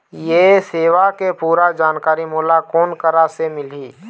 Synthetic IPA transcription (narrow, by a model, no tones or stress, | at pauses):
jeseːʋakepuːɾad͡ʒaːnkaːɾimuːlakoːnkəɾasemɪliː